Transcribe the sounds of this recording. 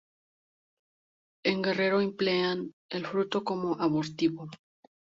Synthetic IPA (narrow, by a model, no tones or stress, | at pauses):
e̞ŋɡe̞re̞ɾo̞implean | elfɾut̪o̞ko̞mo̞ʔaβoɾt̪iβo